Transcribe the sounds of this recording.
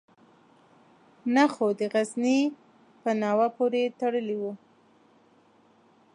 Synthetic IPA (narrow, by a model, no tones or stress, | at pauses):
naxod̪əɣazni | pənɑwapoɾet̪aɽəliwu